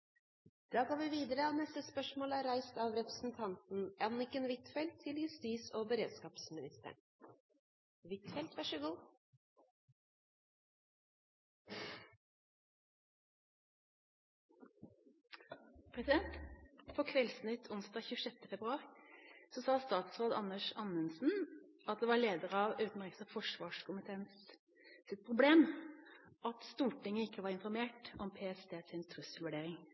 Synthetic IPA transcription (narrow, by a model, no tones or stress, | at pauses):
d̪̥ɑːɡoːʋɪʋiːd̪əɾəɑːʋnɛst̪əspœʂmoːlæːɾæɪst̪ɑʋɾɛpɾəsn̩t̪ʰɑnt̪n̩ʔɑnːɪkənʋɪt̪fɛlt̪ʰːɪljʉst̪iːsoːbəɾeːd̪skɑːpsmɪnɪst̪ə̰ɳ | ʋɪt̪fɛlt̪ʋæʂəɡuː | pʰʁɛsɪd̪ɛnt̪pʰɔkʰʋɛlsn̩ɪt̪ʰːʊnsd̪ɑːçʉːʂɛt̪ːəfɛbɾʁʉɑːʁɪsɔsɑːst̪ɑːt̪sʁoːd̪ɑ̰nəʂɑnənsn̩ | ɑt̪̚d̪eːʋɑːɭeːd̪əʁəɑːʋʉːt̪n̩ʁɪksəfɔʂʋɑːʂkʰʊmət̪ʰeːns | sɪt̪̚pʰʁʊbleːm | ʔɑt̪st̪uːʈɪŋːəɪkːəʋɑːɾɪnfɔɾmeːʈɔmpʰeːɛsd̪ʰeːsɪnt̪ʰʁʉsəlʋʉɖeːɾɪŋ